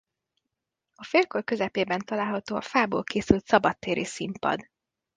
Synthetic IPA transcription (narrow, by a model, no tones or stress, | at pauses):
ɒfeːlkorkø̞zɛpeːbɛnt̪ɒlaːlɦɒt̪oːɒfaːbo̰ːlkeːsylt̪sɒbɒt̪ːeːɾḭsimpɒ̰d̪